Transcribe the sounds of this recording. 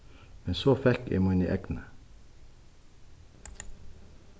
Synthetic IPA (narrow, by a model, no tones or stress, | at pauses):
mɛnsoːfɛkḛːmɑnɪ̰ʔɛɡnə